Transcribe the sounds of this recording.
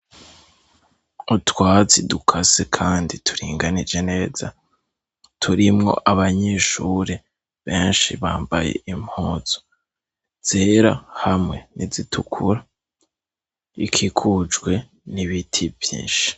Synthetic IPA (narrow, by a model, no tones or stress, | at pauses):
utwaːt͡sidukʰasekʰaːnditʰu̥ɾiːŋɡanid͡ʒe̞ne̞ːz̥a | tʰuɾimŋo̞̰ʔaβaɲeʃuɾe | βe̞ːnʃiβa̰ːmba̰je̞̰imhoːz̥o̥ | z̥eɾa̰hamŋe̞nizitʰukʰuɾa | ikʰikʰud͡ʒɡwe̞ | niβitʰivjḭːnʃi̥